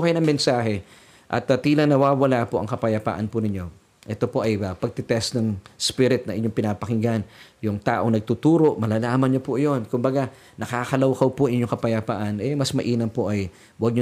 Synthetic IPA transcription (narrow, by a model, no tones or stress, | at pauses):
kɐjonɐŋmɛnsaːɦɛ | ʔɐ̰t̪ɐt̪iːlɐnɐwaːwɐlapoʔɐŋkɐpɐjɐpa̰ːʔɐnpʊnɪɲo̞ | ʔɛt̪o̞po̞ʔɐjɐpɐɡ̚t̪ɪt̪ɛst̪nɐŋspiɾɪt̪̚nɐʔɪɲo̞ŋpɪnaːpɐkɪŋɡanjʊŋt̪aːʔo̞ŋnɐɡ̚t̪ut̪uːɾo̞ʔmɐlaːlaːmɐnɲopʊʔjo̞nkʊmbɐɡa | nɐkaːkɐlɐwkɐwpoɪɲoŋkɐpɐjapaːʔɐnɛmɐsmɐʔiːnɐmpoʔɐj | wɐɡ̚ɲo